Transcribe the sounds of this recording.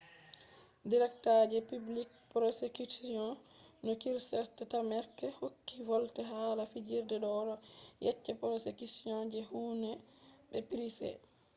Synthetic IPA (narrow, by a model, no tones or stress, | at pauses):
diɾɛktad͡ʒɛpiblik̚pɾɔsekusijɔ̃nnɔkiɾsɛtːɛtamɛɾkɛhokːivɔltɛɦaːlafid͡ʒiɾdɛɗɔɾɔjɛ̰t͡ʃːɛpɾɔsekusiɔ̃nd͡ʒɛhuːnɛɓɛpiɾisɛ̰